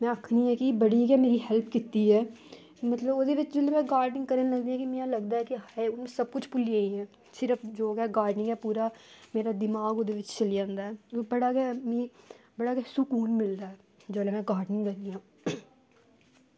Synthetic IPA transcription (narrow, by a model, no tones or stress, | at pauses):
mɛ̃ːɐkʰniɦɛkibəɽikɛmeːɾiɦɛlpʰkɪt̪ːiɦɛː | mɐt̪ləbod̪eːʋɪt͡ʃd͡ʒoːlemɛ̃ːɡaːɾɖɪ̃ŋɡkəɾə̃nləld̪ĩɛ̃kimɛ̃ãlɐɡd̪aɛkiɦaeʊnmẽsɐb̚kʊt͡ʃʰpʊliãːĩɦɛ̃ː | sɪɾəfd͡ʒoːkɛːɡaːɾɖnɪ̃ŋɡɦɛːpuːɾameːɾad̪ɪmaːɡod̪eʋɪt͡ʃt͡ʃɐlijãːnd̪aːɛbɐɽaːkɛmibəɽakɛsʊkuːnmɪld̪aːɦɛː | d͡ʒoːlemɛ̃ːɡaːɾɖnɪ̃ŋɡkəɾnijãː